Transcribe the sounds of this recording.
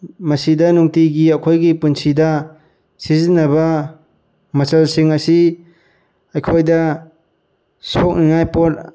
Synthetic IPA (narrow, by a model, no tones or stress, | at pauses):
mɐsidɐnuŋtiɡiɐkʰojɡipunsʰidɐ | sizinːɐbɐ | mɐsɐlsiŋɐsi | ɐjkʰojdɐ | sok̚niŋajpot